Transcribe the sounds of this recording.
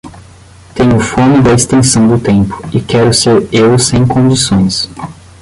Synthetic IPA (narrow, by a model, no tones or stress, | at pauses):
t̪ẽɲʊfõmɪd̪ɐest̪ẽsɐ̃w̃d̪ʊt̪ẽmpʊ̥ɪkɛɾʊseɾewsẽj̃kõd͡ʒisõj̃s